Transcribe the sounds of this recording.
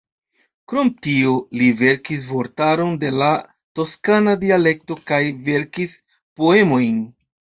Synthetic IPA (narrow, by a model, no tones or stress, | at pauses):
kɾo̞mtiolive̞ɾkis̬vo̞ɾtaɾo̞nde̞la | to̞skanadiale̞k̚to̞kajve̞ɾkis | po̞e̞mo̞jn